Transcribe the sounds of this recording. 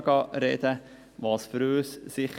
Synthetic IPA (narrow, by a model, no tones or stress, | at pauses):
ɡɑɾɛd̪ə | ʋɑːsfɾøːssɪχ